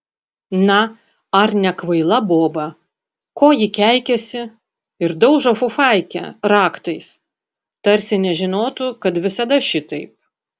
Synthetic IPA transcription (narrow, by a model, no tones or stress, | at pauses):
nɐ | ɐɾnʲɛkʋɐɪlˠɐboːbɐ | koːjɪkʲæˑɪkʲɛsʲɪ | ɪɾd̪ɐʊʒɐfʊfɑˑɪkʲɛ̰ɾɑːkt̪ɐɪs | t̪ɐɾʲsʲɪnʲɛʒʲɪnoːt̪ʊkɐt̪ʋʲɪsɐd̪ɐʃʲɪt̪ɐɪp̚